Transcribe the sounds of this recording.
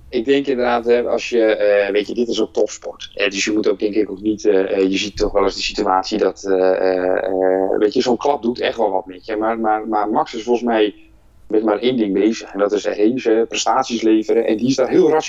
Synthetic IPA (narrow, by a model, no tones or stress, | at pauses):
ɪɡ̚dɛŋkɪndərdaːthɛɔ̰sjəʋetjədɪtɪsok̚tɔfspɔrthɛdøsjəmutowk̚dɛŋkɪkoknitjəzitːɔxʋɛlˠəsdəsityaːtsidɔtə | ʋeːtjəsoːnklɑp̚dutʰɛ̰xtʋɔlˠʋɔt̚mɪkjəmarmarmarmɑksɪsfɔlˠsmɛj | bɛnəmaːrʔeːndɪŋbeːzəxɛndɔtɪsreːvəprɛstaːtsisleːvəɾəʔɛ̰ndiɪsdaːrɦɪəlˠra